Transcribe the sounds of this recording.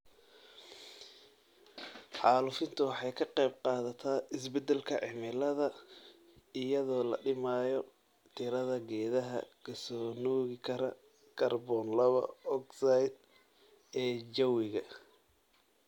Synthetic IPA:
ħɑːlʊfɪnt̪ʰʊwɑħɑjkʰɐqɛjb̚qɑːðɐt̪ʰaːʔɪsbɛd̪ɛlkʰɐʕɪmɪlɐðɐ | ɪjɐðɔːlɐ̰ɖɪmaːjɔ | t̪ʰɪɾɐðɐɡɛːðɐɦɐ̰kʰɐsɔːnɔːɣɪkʰɐɾɐ | kʰɐrbɔnlɐβɐ̰ɔɡsajd̪̚ | ɛːd͡ʒɐwɪɣɐ

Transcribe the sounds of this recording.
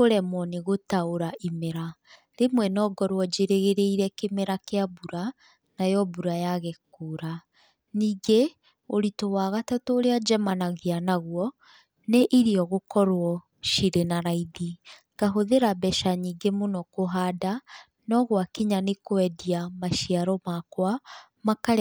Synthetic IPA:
koɾɛmɔneɣotaoɾaʔimeɾa | ɾemwɛnɔɡɔɾwɔd͡ʒeɾeɣeɾeiɾɛkemeɾakeabuɾa | najɔbuɾajaɣɛkoːɾa | niːɡe | oɾitowaɣatatoːɾead͡ʒɛmanaɣeanaɣwɔ | neʔiɾiɔɣokɔɾwɔ | ʃiɾenaɾaiði | kaɦoðeɾabɛʃaɲiːŋɡemonɔkoɦaːda | nɔɣwakiɲanekwɛdiamaʃiaɾɔmakwa | makaɾ

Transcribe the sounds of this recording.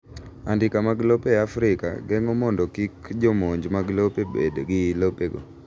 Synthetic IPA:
andɪkamaɡlopeafɾɪka̰ɡɛŋɔmɔndɔkikd͡ʒomoɲd͡ʒmaɡlopebedoɡɪlopeɡo̰

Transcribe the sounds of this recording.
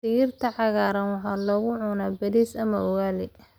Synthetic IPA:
sɪjɪrt̪ʰɐʕɑɣaːɾɐnwɑħɑːlɔːɣʊʕʊnabɐðiːsɐmɐwaːlɪ

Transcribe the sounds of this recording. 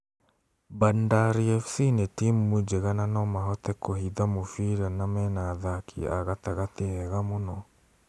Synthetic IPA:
bandaɾiɛfsinetimːud͡ʒeɣananɔmaɦɔtɛkohiðamofiɾanamɛnaðakʰḭa̰ɣataɣatehɛɣamonɔ

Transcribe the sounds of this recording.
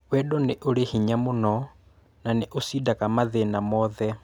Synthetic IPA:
wɛɗɔnɪʔoɾehiɲamonɔ | naneʔosidakamaðɛnamɔðɛ

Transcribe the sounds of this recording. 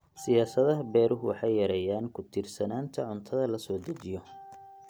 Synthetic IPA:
sɪjaːsɐðɐɦɐbɛːɾʔʊɦʊwɑħɑjjɐɾɛjaːnkʰʊt̪ʰɪrsɐnaːnt̪ʰɐʕʊnt̪ʰɐðɐlɐsɔːd̪ɐt͡ʃɪjɔ

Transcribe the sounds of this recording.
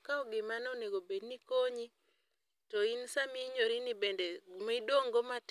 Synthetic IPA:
kaɔɡɪmanoneɡobednikoɲi | tɔinsamiɲoɾinibendemaidoŋɡomat

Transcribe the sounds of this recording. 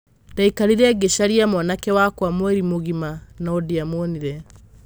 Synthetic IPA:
d̥aikaɾiɾɛːɡeʃaɾiamɔnakɛwakwamwɛɾimoɣimanaodiamoniɾɛ

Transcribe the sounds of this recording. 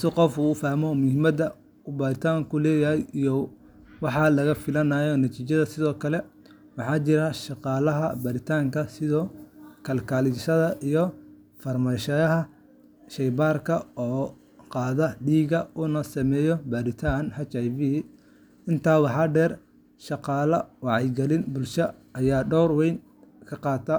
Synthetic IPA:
ɐsɔqɔfufaːhmɔmʊhɪmɐd̪ɐ | bɐɾɪt̪ʰaːŋkʰʊlɛːjɐɦɛjijɔ | wɑħɑlɐɣɐfɪlɐnaːjɔnɐt̪ʰiːt͡ʃɐðɐsɪðɔːkʰɐlɛ | wɑħɑːt͡ʃɪɾɐʃɑqɑːlɐɦɐ̰bɐɾɪt̪ʰaːŋkʰɐsɪðɔːkʰɐlkʰaːlɪʃɐðɐʔijɔ | fɐrmɐʃɐɐɦɐ | ʃɛjbaːrkʰɐɔː | qɑːðɐɖiːɣɐʊnɐsɐmɛːjɔbɐɾɪt̪ʰaːnhɐt͡ʃajvi | ɪnt̪ʰaːwɑħɑːɖɛːr | ʃɑqɑːlɐwɑʕɑjɡɐlɪnbʊlʃɐʔɐjaːɖɔwrwɛjn | kʰɐqɑːt̪ʰɐ

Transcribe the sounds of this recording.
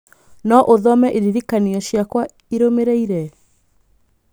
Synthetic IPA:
nɔʔoðɔmɛʔiɾiɾikaniɔɕjakwa | iɾomeɾeiɾɛ

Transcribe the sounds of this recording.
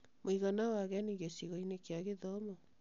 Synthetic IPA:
moiɣanawaɣeaniɣesiɣɔinekeaɣeðɔmɔ

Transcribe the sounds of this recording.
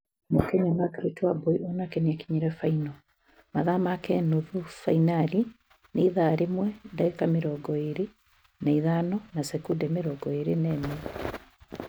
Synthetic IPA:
mokɛɲamakɾitwabɔiʔɔnakeniakiɲiɾɛfainɔ | maðamakɛnoðufainaɾi | neiðaɾemwɛndaekameɾɔɡɔeɾe | naiðanɔnasɛkudɛmeɾɔɡɔeɾenɛmɛ

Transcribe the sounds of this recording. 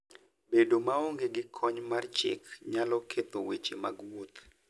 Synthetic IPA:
bedomaoŋɡeɡɪkʰɔɲmart͡ʃɪ̰kɲalɔkʰet̪owet͡ʃema̰ɡwot̪

